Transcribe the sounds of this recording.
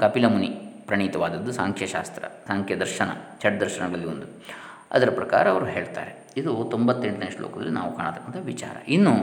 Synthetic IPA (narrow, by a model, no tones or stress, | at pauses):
kɐpilɐmunipɾɐɳiːt̪ɐʋaːd̪ɐd̪ːusaːŋkʰjɐʃa̰ːst̪ɾɐ̰saːŋkʰjɐd̪ɐɾʃɐnɐ̰t͡ʃɐʈ̚d̪ɐɾʃɐnɐɡɐɭɐlːiond̪u | ɐ̰d̪ɐɾɐpɾɐka̰ːɾɐːʋɐɾuɦe̞ːɭt̪a̰ːɾe | id̪ut̪ombɐt̪ːeɳʈnɐjʂʈlo̰ːkɐd̪ɐ̰lːinʔaːʋukaːɳt̪ɐkːɐnt̪ɐʋit͡ʃa̰ːɾɐ̰ʔinːu